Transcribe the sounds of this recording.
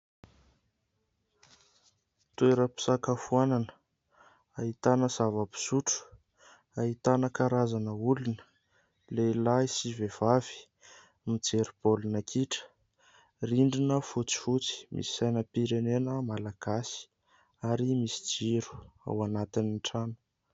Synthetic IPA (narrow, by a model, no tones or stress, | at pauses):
t̪ueɾəpi̥sakafuananə | aɦit̪anəzavəpi̥suʈ͡ʂu̥ | aɦit̪anəkaɾazanəulunə̥ | lelaisivev̥avi̥ | mit͡seɾibolunakʰiʈ͡ʂə̥ | riɳɖ͡ʐinəfut͡si̥fut͡si̥mʔḭsi̥sajnəpiɾenenəmalaɡ̥asi̥ | aɾimisi̥d͡ziɾu̥a̰wanat̪iniɳʈ͡ʂanə̥